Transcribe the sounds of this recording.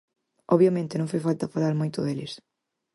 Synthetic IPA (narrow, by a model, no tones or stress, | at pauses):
ɔβjɐmẽnt̪ɪnɐ̃ŋ̃fojfalt̪ɐfalaɾmojt̪ʊðelɪs